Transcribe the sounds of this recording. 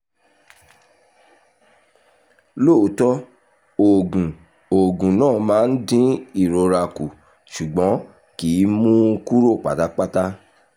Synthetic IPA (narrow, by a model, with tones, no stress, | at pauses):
lo˦˨˦tɔ˦ | o˨ɡũ˨ | o˨ɡũ˨nãː˦˨mãː˨˦n̩˦dĩ˦i˦˨ɾo˨ɾa˧ku˨ | ʃu˨ɡ͡bɔ̃˨˦ | ki˨˦mũ˦˧ku˦ɾo˦˨k͡pa̰˨ta˦k͡pa˦ta˦